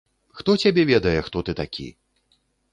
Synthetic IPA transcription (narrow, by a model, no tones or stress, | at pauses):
xt̪ɔt͡sʲabʲɛvʲɛd̪ɐjɛxt̪ɔt̪ɨt̪akʲḭ